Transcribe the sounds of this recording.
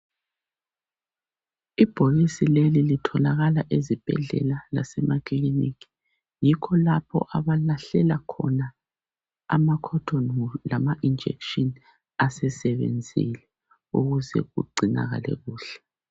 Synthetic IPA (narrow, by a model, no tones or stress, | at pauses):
ib̥ʱoɣisilelilitʰɔlaɣalaʔezib̥ʱɛ̰ɮɛ̰lala̰sɛmakʰliniki̥ | jikʰɔlapʰɔ̰ʔaβalaɬɛlakʰɔ̰na | a̰makʰɔtʰɔnlamaʔind͡ʒʱɛ̰kʃɔn | asɛsɛβḛnd͡zʱḭlɛ | uɣuzɛ̰ɣṵɡ͡ǀʱina̰ɣa̰lɛ̰ɣuːɬɛ̥